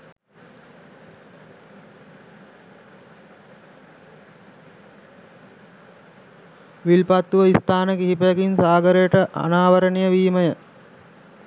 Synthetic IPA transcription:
ʋilpat̪ːuʋəist̪aːnəkiɦipəjəkinsaːɡəɾəjəʈəʔa̰naːʋəɾənejəʋiːməjə

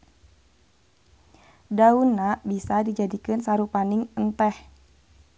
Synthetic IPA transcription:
daunabisadid͡ʒadikɨnsaɾupanɪŋənt̪ɛh

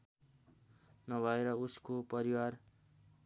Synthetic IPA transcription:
nʌbʱʌeɾʌuskopʌɾiwar

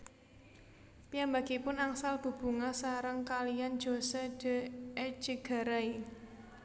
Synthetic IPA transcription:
pijambaɡ̥ipʊnaŋsalb̥ṳb̥ṳŋasaɾəŋkalijand̥ʒ̥o̤sɛd̥əɛd͡ʒəɡ̥a̤ɾai

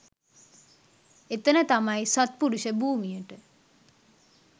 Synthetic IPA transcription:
et̪ənət̪amɐjsat̪̚puɽuʃəbuːmijəʈə

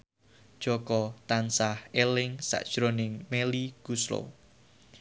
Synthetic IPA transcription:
d̥ʒ̥ɔ̤kɔt̪ansahelɪŋsa̰ʔd̥ʒ̥ɾonɪŋmeliɡ̥uslo̰

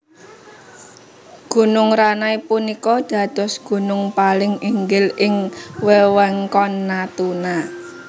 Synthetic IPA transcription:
ɡ̥ṳnʊŋɾanaipunikɔd̪̥ä̤d̪̥ɔ̤sɡ̥ṳnʊŋpalɪŋiŋɡɪlɪŋwɛwɛŋkɔnːat̪una

